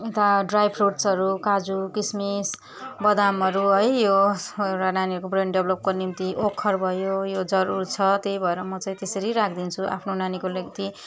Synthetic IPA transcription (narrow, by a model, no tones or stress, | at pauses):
et̪aɖrajbʰruʈsʌɾukad͡zukismis | bʌd̪amʌɾuɦʌjjoewʈananiʌɾkobrenɖeblʌp̚konimt̪iʔokʰːʌrbʱʌjojod͡zʌɾut͡sʰʌt̪ejbʱʌeɾʌmʌt͡saĩt̪esʌɾiɾakʰd̪int͡sʰuʔa̰pʰnonanikolʌɡt̪i